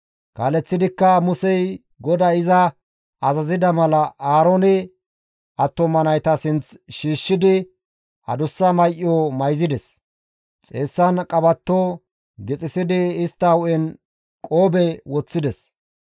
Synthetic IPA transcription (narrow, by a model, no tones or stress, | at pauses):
kaːlɛt͡sːɪd̪ɪkːɐmʊsɛj | ɡɔd̪ɐɪzɐ | ɐzɐzɪd̪ɐmɐlɐʔaːɾonɛ | ʔɐt̪ːɔmɐnɐjt̪ɐsɪnt͡sʃiːʃːɪd̪ɪ | ɐ̰d̪ʊsːɐmɐjʔɪjomɐjzɪd̪ɛs | t͡sʼeːsːɐnkʼɐbɐt̪ːoː | ɡɛt͡sʼɪsɪd̪ɪɪst̪ːɐwʊʔɛn | kʼoːbɛwɔt͡sːɪd̪ɛs